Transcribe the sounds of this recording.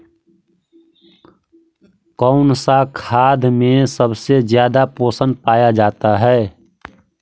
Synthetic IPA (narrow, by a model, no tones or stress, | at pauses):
kɔʊnsakʰaːd̪mẽsəbsezjaːd̪apoːsənpaːjad͡ʒaːt̪aɦɛː